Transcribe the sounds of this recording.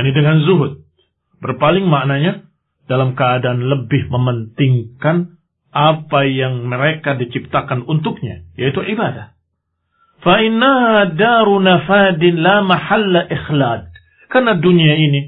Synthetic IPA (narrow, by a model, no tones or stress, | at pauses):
janidəŋanzuɦʊt̪̚ | bərpalɪŋmaʔnaɲa | d̥alamkəadaanləbɪhməmənt̪ɪŋkan | ʔapajaŋməɾekadit͡ʃip̚t̪akanunt̪ʊk̚ɲa̰jait̪uʕibadah | faʔɪnːaɦadaɾunafadɪnlamaħalːaʔɪxlad̪̚ | karnaduniaini